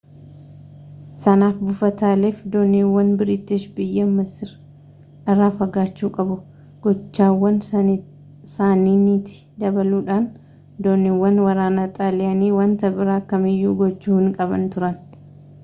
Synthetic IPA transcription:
sɐnaːfbʊfɐt̪aːleːfd̪oːniwːɐnbɪɾɪt̪ɪʃbɪjːɐmːɐsɪɾ | ʔɐrːaːfɐɡaːt͡ʃːuːkʼɐbʊ | ɡ̥ɔt͡ʃːaːwːɐn | saːniːnit̪ɪ̥ | d̪ɐbɐluːᶑaːn | d̪oːnɪwːɐnwɐɾaːnɐt̪ʼaːlɪɐniːwɐnt̪ɐbɪɾaːkɐmɪjːuːɡɔt͡ʃːuːhɪŋkʼɐbɐ̰nt̪ʊɾɐn

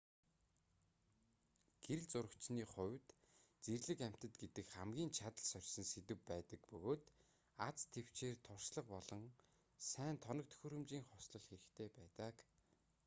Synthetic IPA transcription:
ɡ̥eɾɘɮt͡sʊɾə̆kt͡ɕniːχʊwʲt̪ | t͡serɮɘ̆kæm̥ʲt̪ə̆t̪ɡet̪ɘ̆kχamɡʲiːnt͡ɕʰat̪ə̆ɮsœrʲsɞ̆nset̪ɘ̆wpæːt̪ə̆kpɵɣoːt̪ | at͡st̪ʰew̥t͡ɕeːrt̪ʰʊr̥sɮə̆q̚pɔɮɞ̆ŋ | sæːnt̪ʰɔnɞ̆k̚t̪ʰɵ̥xɵ̆ɾɵ̆mt͡ɕiːŋχɔsɮɞ̆ɮxeɾɘ̆xt̪ʰeːpæːt̪ə̆k

